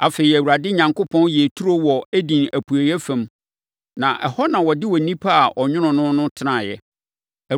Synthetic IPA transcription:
a˨feː˨i˨æ˨wu˨ɾa˨dɪ˦ɲã˨ŋkʰo˦pʰɔ̃˦njɛ˨e˨tʰu˦ɾo˦wɔ˨æ˦dĩ˨næ˨pʰu˨æ˨jɛ˦fæ̃˨m | nã˨ʔɛ̰˨hɔ˦nã˨wɔ˨dɪ˦wɔ˨nĩ˦pʰa˦a˨ʔɔ˨ɲʊ̃˦nʊ̃˨nʊ̃˦nʊ̃˦tʰɪ˦nã˨jɛ˦ | æ˨

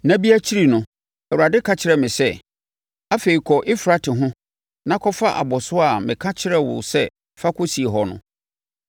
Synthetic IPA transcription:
nã˦bi˦æ˦t͡ɕʰi˦ɾi˨nʊ̃˨ | ɛ˨wu˨ɾa˨dɪ˦kʰa˦t͡ɕʰɪ˦ɾɛ˨mɪ̃˨sɛ˦ | a˦fe˨ɾi˨kʰɔ˨ʔɪ˦fɾa˦tʰɪ˨ɦʊ̃˦ | nã˦kʰɔ˦fa˦ʔa̰˨bɔ˨sʊ˦a˨mɪ̃˨kʰã˦t͡ɕʰɪ˦ɾɛ˦˨wʊ̰˨sɛ˦ | fa˦kʰʊ˦si˨e˨ɦɔ˨nʊ̰̃˦

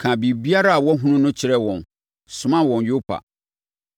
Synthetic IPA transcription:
kʰã˨bi˨bi˦a˦ɾa˦a˨wɔ˦ɦũ˦nʊ̃˦nʊ̃˦t͡ɕʰɪ˦ɾɛ˦wɔ̃˨n | sʊ̃˨mã˦wɔ̃˨njo˦pʰa̰˨

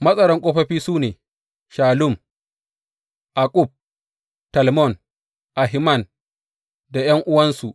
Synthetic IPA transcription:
mɐ˦sʼɐ˦ɽɐ˦ŋkʷʼoː˦ɸɐ˦ɸiː˦suː˦neː˨ | ʃaː˨lʊ˦˨m | ʔa˨kʼʊ˦˨b̚ | tɐ˨lmɔ˦˨n | ʔa˨ɦɪ˦mɐ˦˨n | da˨j̰ɐ˦ŋʔʊ˦wɐ˦nsu˨ʔ

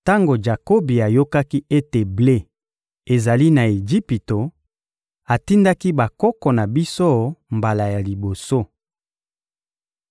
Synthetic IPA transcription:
ta˦ŋɡo˨d͡ʒa˨ko˦bi˨a˨jo˦ka˦ki˦e˦te˨ble˦ | e˨za˨li˦na˨e˨d͡ʒi˦pi˨to˨ | a˨ti˦nda˦ki˦ba˨kɔ˦kɔ˨na˨bi˦so˦mba˨la˨ja˨li˨bo˨so˦

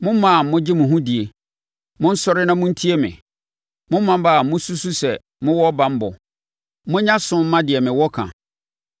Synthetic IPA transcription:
mʊ̃˦m˦mã˦˨mʊ̃˦d͡ʑɪ˦mʊ̃˨ɦũ˦di˨e˨ | mʊ̃˦n̩˦sɔ˦ɾɪ˦nã˦mʊ̃˦n̩˦tʰi˦e˦mɪ̰̃˨ | mʊ̃˦m̩˦mã˦m˦ba˦˨a˨mʊ̃˦su˦su˦sɛ˨ | mʊ̃˦wɔ˦bã˨m̩˦bɔ˨ | mʊ̃˦ɲã˦sʊ̃˦m̩˦mã˦dɪ˨ɛ˨mɪ̃˨wɔ˦kʰã̰˨

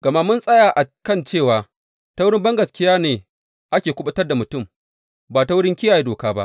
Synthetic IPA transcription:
ɡ̥ɐ˨ma˦mʊ˦nsʼɐ˦jaː˨ʔa˨kɐ˦˨nt͡ʃeː˦˨waː˨ | ta˦wʊ˦ɽɪ˦mbɐ˦ŋɡɐ˨skʲɪ˦jaː˦neː˨ | ʔa˦kʲeː˨kʷʊ˦ɓɐ˦tɐ˦rda˨mʊ˨tʊ˦˨m | baː˨ta˦wʊ˦ɽɪ˦ŋkʲɪ˦jaː˨ji˦doː˨kaː˦ba̰˦ʔ

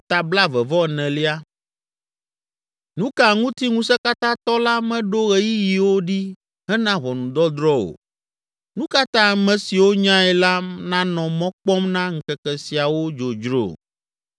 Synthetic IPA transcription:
t̪a˨bla˦vɛ˨vɔ˦˨nɛ̃˨li˦a˦ | nũ˦ka˦ŋũ˦t̪i˦ŋũ˦sɛ˦ka˦t̪ã˦t̪ɔ˦la˦mɛ̃˦ɖo˦ɣɛ˨ji˦ji˨wo˦ɖi˦ | ɦɛ˦nã˦βɔ˨nũ˨d̪ɔ˦d̪ɾɔ˦wo̰˨ | nũ˦ka˦t̪ã˦˨mɛ̃˨si˨wo˦ɲã˦ɛ˨la˦nã˦nɔ̃˨mɔ̃˦k͡pɔ˦mnã˦ŋ̩˦kɛ˦kɛ˨si˨a˨wo˦d͡ʒo˨d͡ʒɾo̰˦˨

